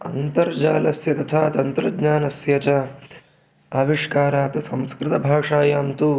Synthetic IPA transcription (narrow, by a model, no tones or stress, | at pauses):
ɐ̰nt̪ɐɾd͡ʒaːlɐsjɐt̪ɐt̪ʰaːt̪ɐnt̪ɾɐɡɲaːnɐsjɐt͡ʃɐ | ɐːʋiʂkaːɾaːt̪ɐsɐmskɾɪt̪ɐbʱaːʂaːjaːmt̪uː